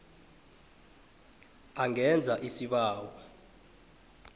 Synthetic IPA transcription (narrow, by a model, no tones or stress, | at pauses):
aŋɛnd͡zʱaʔisiɓaːwa